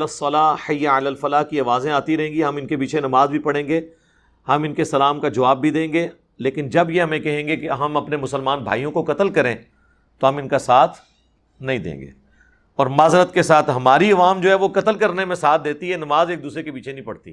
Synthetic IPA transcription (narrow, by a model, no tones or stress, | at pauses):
lɐsːɐlaːħɐjːaalaːlfɐlaːkiɐʋaːzẽaːt̪iɾɐɦẽːŋɡiɦɐmɪnkepiːt͡ʃʰenɐmaːzbʱipɐɽ̤ẽːŋɡeː | hɐmɪ̃nkesɐlaːmkad͡ʒɐʋaːbːʱid̪ẽːɡeː | leːkɪnd͡ʒɐbjeɦɐmẽkɐɦẽːŋɡekeɦɐmɐpnemʊsəlmaːnbʱa̰ːijõkokɐt̪əlkɐɾẽː | t̪oɦɐ̃mɪnkasaːt̪ʰ | nɐɦĩd̪ḛ̃ːŋɡḛː | ɔːɾmaːzɾət̪kesaːt̪ʰɦɐmaːɾiɐʋaːmd͡ʒoːɦɛʋokɐt̪əlkɐɾnemẽsaːt̪̚ʰd̪eːt̪iɦɛnɐmaːzeːk̚d̪uːsɾekepiːt͡ʃʰenɐ̃ĩpɐɽt̪ḭ